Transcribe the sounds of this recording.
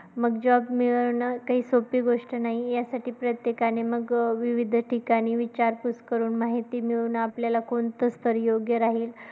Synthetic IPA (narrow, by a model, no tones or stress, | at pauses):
məɡd͡ʑɔbmiɭnəkaɦiːsopiːɡoʂʈənaɦijasaʈiːpɾət̪jekaɽ̃eməɡʋiʋid̪ʱʈikaɽ̃iːʋit͡ɕaɾkuskəɾuːnmaɦit̪iːmiɭnaapljalakont̪əst̪ʰəɾjoɡjəɾaɦiːl